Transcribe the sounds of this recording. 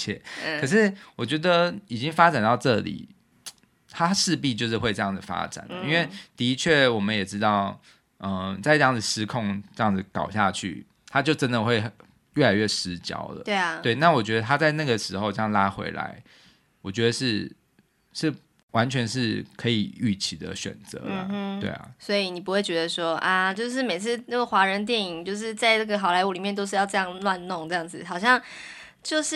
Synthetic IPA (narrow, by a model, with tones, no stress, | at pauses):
t͡ɕʰɛ̰˥˩kʰə˨˩ʂɻ̩˥˩wɔ˨˩t͡ɕɥɛ˧˥d̪ə˨i˨˩t͡ɕi˦ŋfa˥ʈ͡ʂa˨˩nt̪ɑ˥˧ʊʈ͡ʂɤ˥˨lḭ˨˩ | t̪ʰa˥ʂɻ̩˥˧pi˥˧t͡ɕjo˥˧ʊʂɻ̩˥˧xwe˥˧ɪʈ͡ʂɤ˥˧jɑ˥˩ŋd͡zə˨˩fa̰˥ʈ͡ʂa̰˨˩nə˦i˦nwe˥˩ɪt̪i˧˥t͡ɕʰɥɛ˥˩wɔ˨˩mə˦njɛ˨˩ʈ͡ʂɻ̩˥t̪ɑ˥˩ʊ | ə˨˩t͡sa˥˧ɪʈ͡ʂɤ˥jɑ˥˩ŋd͡zɨ˨˩ʂɻ̩˥kʰo˥˧ŋʈ͡ʂɤ˥˧jɑ˥˩ŋd͡z̩˨˩kɑ˨˩ʊɕja̰˥˧t͡ɕʰy̰˥˩ | t̪ʰa˥˦t͡ɕjo˥˩ʊʈ͡ʂə˦˥nd̪ə˨xwe˥˧ɪ | ɥɛ˥˩la˧˥ɪɥɛ˥˩ʂɻ̩˧˥t͡ɕjɑ̰˧˥ʊlə̰˨˦t̪we˥˩ɪna˥˩˨wɔ˨˩t͡ɕɥɛ˧˥d̪ə˧t̪ʰa˥t͡sa˥˧ɪna˥˩ɡə˩ʂɻ̩˧˥xo˧ʊʈ͡ʂɤ˥˧jɑ˥˩ŋla˥xwḛ˧˥ɪla̰˧˦ɪ | wɔ˨˩t͡ɕɥɛ˧˥d̪ə˧ʂɻ̩˥˩ | ʂɻ̩˥˩ | wa˧˦˥nt͡ɕʰɥɛ˧˦˥nʂɻ̩˥˧kʰɤ˧˥i˨˩y˥˩t͡ɕʰi˧˥d̪ə̰˩ɕɥɛ̰˨˩nt͡sɤ̰˧˦l̩ə˨˥t̪wḛ˥˩ɪa̰˩swɔ˧˥i˨ni˨˩p̬u˧˥xwe˥˩ɪt͡ɕɥɛ˧˥d̪ə˧ʂwɔ˥ʔa˥˧t͡ɕjo˥˧ʊʂ̬ɻ̩˥˩me˨˩ɪt͡sʰɹ̩˥˧nə˥˩ɡə˨˩xwa˧˥ɻə˧˦nt̪̬jɛ˥˩ni˨˩ŋt͡ɕjo˥˧ʊʂ̬ɻ̩˥˧t͡sa˥˧ɪna˥˩ɡə˩xɑ˨˩ʊla˧˥ɪu˧˨li˨˩mjɛ˥˩nt̪o˥ʊʂɻ̩˥˧jɑ˥˧ʊʈ͡ʂɤ˥˧jɑ˥˧ŋnwa˥˧nnʊ˥˩˨ŋtɤ˥˧jɑ˥˩ŋd͡zɹ̩˨˩xɑ˨˩ʊɕjɑ˥˧ŋ | t͡ɕjo˥˧ʊʂɻ̩˥˩